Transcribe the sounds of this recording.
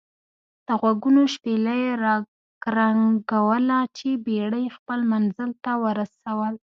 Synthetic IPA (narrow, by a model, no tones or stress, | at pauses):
d̪̥əɣwaɡunoʃpelajeɾɑ | kɾaŋɡawəlat͡ʃebeɽəjxpəlmanzəlt̪awəɾasawəl